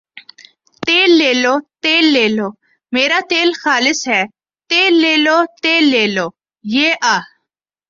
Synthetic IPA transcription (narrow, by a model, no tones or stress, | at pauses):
t̪eːlːeːloːt̪eːlːeːloː | meːɾaːt̪eːlxaːlɪsɦɛː | t̪eːlːeːloːt̪eːlːeːloː | jeːʔaː